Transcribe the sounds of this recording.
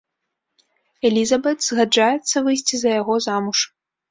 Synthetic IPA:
ɛlʲizɐbɛt̪z̥ɣad͡ʐajɛt̪sːɐvɨjsʲt͡sʲizɐjaɣɔzamuʂ

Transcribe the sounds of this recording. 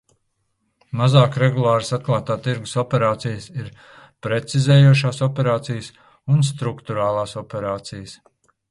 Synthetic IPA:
mazaːkɾeɡulˠaːɾsat̪̚klˠaːt̪aːt̪iɾɡu̥sɔpʲɛɾaːt̪sijəsiɾ | pɾet̪sizeːjuɔʃaːsɔpʲɛɾaːt̪sijəs | unst̪ɾukt̪uɾaːlˠaːsɔpʲɛɾaːt̪sijəs

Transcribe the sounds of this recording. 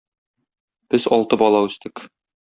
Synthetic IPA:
b̥ɘzɒlˠt̪ɤbɒlˠɑʉst̪ɘk

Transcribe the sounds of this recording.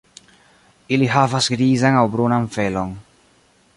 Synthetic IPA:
iliɦavasɡɾizaŋawbɾunaɱfeloŋ

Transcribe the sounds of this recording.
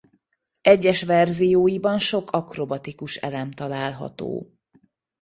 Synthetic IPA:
ɛɟːɛʃʋɛrzijoːjibɒnʃo̞kʰɒkro̞bɒt̪ikuʃɛ̰lɛmt̪ɒlaːlɦɒ̰t̪o̰ː

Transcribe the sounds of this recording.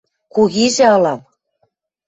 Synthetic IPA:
kuɣiʒɘ̆ɤlɑm

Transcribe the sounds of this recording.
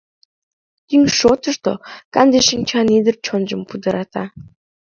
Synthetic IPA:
t̪iŋʃot̪ə̆ʃt̪o̰kɑnd̪eʃinʲt͡ɕʰɑnid̪ə̆rt͡ɕʰond͡ʑə̆mpud̪ɤ̆ɾʔɑt̪ɑ̰

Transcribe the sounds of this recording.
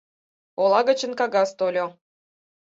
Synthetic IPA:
olˠɑɣə̆t͡ɕə̆nkɑɣɑst̪olʲo

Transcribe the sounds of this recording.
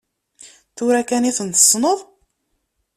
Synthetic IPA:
θuɾækæniθənt̪ə̥sˤːnəðˤ

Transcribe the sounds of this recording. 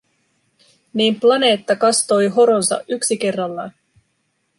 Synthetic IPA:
niːmplɑne̞ːt̪ːɑkɑst̪o̞jɦo̞ɾo̞nsɑ̰ʔyksike̞rːɑlːɑːn

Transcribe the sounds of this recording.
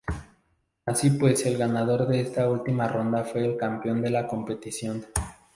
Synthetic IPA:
asipwe̞se̞lɣanað̞o̞ɾðe̞est̪ault̪imaro̞nd̪afwe̞ːlkampjo̞nd̪e̞lako̞mpe̞t̪isjo̞n

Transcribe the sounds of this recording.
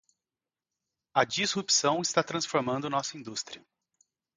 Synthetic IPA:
ɐd͡ʒizhupsɐ̃w̃ɪst̪at̪ɾɐ̃sfoɾmɐ̃nd̪ʊnɔsɐĩd̪ust̪ɾʲiɐ

